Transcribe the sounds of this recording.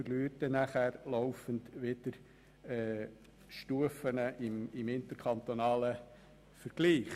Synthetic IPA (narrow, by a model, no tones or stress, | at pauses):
ərlyətənæχæːɾlɔwfəndʋɪd̥əɾ | ɛ | ʃtuəfənəʔɪmɪmɪnt̪əɾkʰχɑnt̪onɑːlə | fəɾɡ̥liːχ